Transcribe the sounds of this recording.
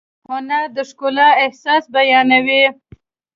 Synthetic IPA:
hʊnaɾd̪əʂkolɑɪhsɑsbajɑnawi

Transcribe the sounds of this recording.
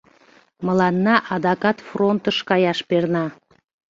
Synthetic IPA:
mə̆lˠɑnːɑʔɑd̪ɑkɑt̪front̪əʃkɑjɑʃpernɑ

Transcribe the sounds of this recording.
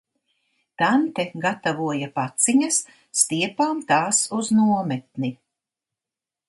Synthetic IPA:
t̪ant̪ɛɡat̪avuɔjapat̪siɲɐsː | t̪iɛpaːmt̪aːsuznuɔmɛt̪̚ni

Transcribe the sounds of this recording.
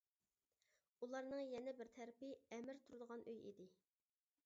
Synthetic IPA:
ulˠɑɾnɨŋjɛnɛbɪɾt̪ʰæɾɪpɪɛmɪɾt̪ʰuɾɨd̪əʁɑnʔøjḭd̪ɪ

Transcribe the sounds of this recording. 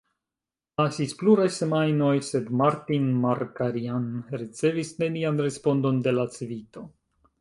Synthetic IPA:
nasispluɾajse̞majno̞jse̞dmaɾtinmaɾkaɾianɾit͡se̞visne̞nianɾe̞spo̞ndo̞nde̞lat͡svito̞

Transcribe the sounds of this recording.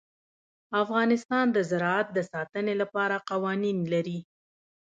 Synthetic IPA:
afɣɑnɪst̪ɑnd̪əzɪɾɑat̪̚d̪əsɑt̪ənelapɑɾaqɑwɑninlaɾi

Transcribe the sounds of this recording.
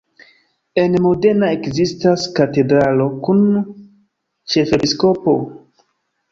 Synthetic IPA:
e̞nmo̞de̞nae̞kzistaskate̞dɾalo̞kun | t͡ʃe̞fe̞pisko̞po̞̰

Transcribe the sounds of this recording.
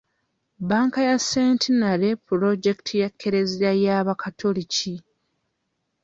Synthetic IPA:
baːŋkajasːeːntinaɾe̞puɾo̞ɟe̞ktʰijakʰːe̞ɾe̞ziɾajaːβakatʰolici

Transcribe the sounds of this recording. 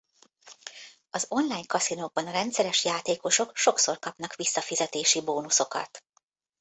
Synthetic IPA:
ɒzo̞nlaːjɲkɒsinoɡ̚bɒnɒɾɛnt̪sɛɾɛʃjaːt̪eːko̞ʃo̞kʃo̞kso̞rkɒpnɒkʋisːɒfizɛt̪eːʃiboːnuso̞kɒ̰t̪

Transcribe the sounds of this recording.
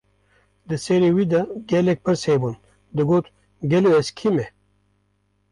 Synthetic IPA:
d̪ɨseɾiːwiːd̪ɐɡɛlɛk̚pʰɨɾsheːbun | d̪ɨɡoːt̪ | ɡɛloːɛskʰimɛ

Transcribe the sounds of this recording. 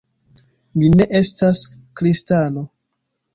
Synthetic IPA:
mine̞ʔe̞staskɾistano̞

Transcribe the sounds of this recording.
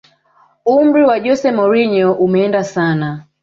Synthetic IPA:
um̩ɾiwaʄɔsɛmɔɾiɲɔʔumɛɛndasana

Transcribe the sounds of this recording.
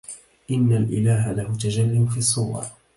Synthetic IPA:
ʔɪnːalʔɪlaːɦalahʊt̪ad͡ʒalːɪmfiːɑsˤːuːwɑ̰ˤ

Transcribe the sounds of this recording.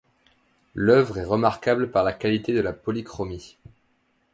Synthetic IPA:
lœvʁɛʁəmaʁkabləpaʁlakalit̪ed̪əlapɔlikχɔmi

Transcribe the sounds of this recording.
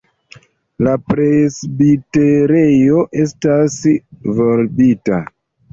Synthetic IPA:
lapɾesbiteɾe̞joʔe̞stasvo̞ɾbita

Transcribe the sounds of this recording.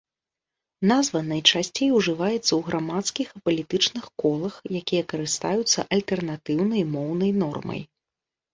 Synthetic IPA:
nazvɐnɐjt͡ʂasʲt͡sʲejwʐɨvajɛt̪sːɐwɣɾamat̪skʲixɐpɐlʲit̪ɨt͡ʂnɨxkɔlˠɐxjakʲijɐkɐɾɨst̪ajut̪sːɐ̰ʔɐlʲt̪ɛrnat̪ɨwn̪ɐjmɔwnɐjnɔrmɐ̰j

